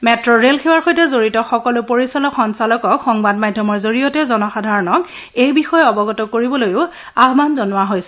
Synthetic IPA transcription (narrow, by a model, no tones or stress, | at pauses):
mɛtɹɔɹelxewaɹxojtɛzoɹitɔxɔkɔlʊpoɹisalɔkxɔnsalɔkɔkxɔŋbadmajdʱːɔmɔɹzoɹijɔtɛzɔnɔxadʱaɹɔnɔk | ejbixɔjɛɔbɔɡɔtɔkoɹibɔlojʊ | aɦmanzɔnʊwaɦojsɛ̥